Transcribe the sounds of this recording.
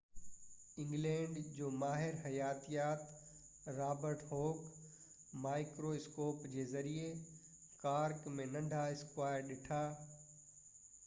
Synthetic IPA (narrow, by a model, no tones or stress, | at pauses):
ɪ̃ŋɡlɛ̃ːɳɖd͡ʑoːmaːɦɪɾɦɐjaːt̪ijaːt̪ | ɾaːbəɾʈɦoːk | maːɪkɾoɪskoːpd͡ʑeːzɐɾie | kaːɾkmẽnɐ̃ɳɖʱaɪskwaːjəɾɗɪʈʰaː